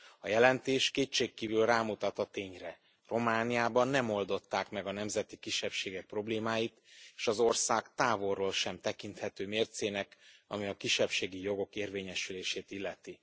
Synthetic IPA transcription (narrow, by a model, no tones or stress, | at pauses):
ɒjɛlɛnt̪eːʃkeːt͡ʃːeːkːiːvylraːmut̪ɒt̪ɒt̪eːɲrɛ | ro̞maːnijaːbɒnːɛmo̞ld̪o̞t̪ːaːkmɛɡɒnɛmzɛt̪ikiʃːɛpʃeːɡɛk̚pro̞bleːmaːjit̪eːʃɒzo̞rsaːkt̪aːvo̞rːoːlʃɛmt̪ɛkint̪hɛt̪øːmeːrt̪seːnɛkɒ̰miɒkiʃːɛpʃeːɡijo̞ɡo̞keːrveːɲɛʃyleːʃeːt̪ilːɛt̪i